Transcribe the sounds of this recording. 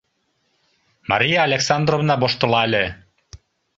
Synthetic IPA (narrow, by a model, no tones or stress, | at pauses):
mɑ̰ɾʲijɑːlʲeksɑnd̪rovnɑboʃt̪ɤ̆lˠɑelʲe